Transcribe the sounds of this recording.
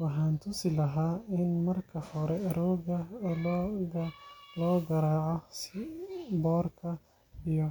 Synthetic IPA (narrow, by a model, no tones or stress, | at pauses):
wɑħɑːnt̪ʰʊsɪlɐɦaːɪnmɐrkʰɐhɔɾɛɾɔɡɐ | lɔːɡɐɾaːʕɔsɪbɔːrkʰɐ | ijɔ